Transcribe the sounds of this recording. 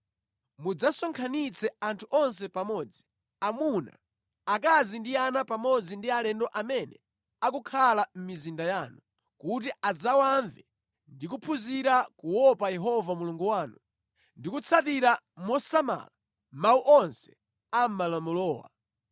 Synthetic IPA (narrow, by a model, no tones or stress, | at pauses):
mud͡zasɔŋkʰanit͡sʰɛantʰuʔɔns̬ɛpamɔːd͡zi | amuna̰ | ak̬azindianapamɔd͡zindialɛndɔʔamɛnɛ̰ | akukʰalam̩mizindajaːnu | kut̬iad͡zawaɱvɛ | ndikupʰuziɾakuwɔpajɛɦɔvamuluŋɡuwaːnu | ndikut͡sʰatiɾa | mɔsama̰la | mauʔɔnsɛ̥ | am̩malɔmɔlɔːwa̰